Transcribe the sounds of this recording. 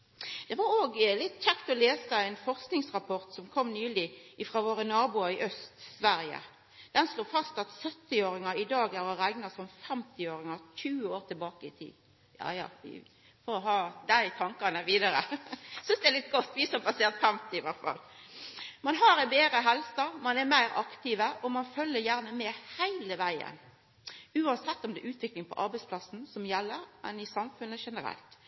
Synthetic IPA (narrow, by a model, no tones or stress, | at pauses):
d̪̥ɛʋɑɾoːɡlɪt̪ːc͡çɛkt̪ɔleːsəɛɪnfɔʁsknɪŋsʁɑpʰɔʁt̪sɔmkʰɔmːnyːlɪɪfɾɑːʋoːɾənɑːbʊɑɪʔœst̪sʋæɾjə̰ | d̪̥ɛnsloːfɑst̪ɑt̪sœt̪ːɪoːɾɪŋəɾɪd̪ɑːɡæʁɔɾæɪnɑsɔmfɛmt̪ɪoːɾɪŋəçʉːəoːʁt̪ʰɪlbɑːkəɪt̪ʰḭːd̪n | jɑ̰ːjɑ̰ːʋɪ̰ | fɔɾɦɑːd̪æɪt̪ʰɑŋkɑnəʋiːd̪ɑɾəsʏnsd̪ɛlɪt̪ɡɔt̪ːʋɪsɔmbɑseːʁt̪fɛmt̪ɪɪʋæʁt̪fɑ̰lː | mɑnɦɑɾɛbeːɾəɦɛlsɑmɑnɛɾmæɪɾɑkt̪ɪʋəʔɔmɑnfœlːəɾjæʁnəmɛhæɪləʋæɪə̰n | ʉːɑnsɛt̪ːɔmd̪ɛʔʉːt̪ʋɪklɪŋpʰɔ̰ʔɑɾbæɪspʰlɑsn̩sɔmjɛlːəɾʔɛnɪsɑmfʉnːəʂɛnəɾɛ̰lt̪